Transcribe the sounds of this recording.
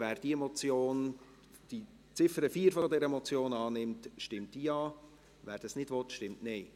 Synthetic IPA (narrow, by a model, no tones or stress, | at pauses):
æːɾd̥iɛmɔt͡sjoːn | d̥i | t͡sɪfəɾəfiːəɾfodɛɾəmɔt͡sjoːnɑːnɪmtʃtɪmt̚d̥iːɑː | væːɾd̥ɑsnɪdvɔtʃtɪmtneɪ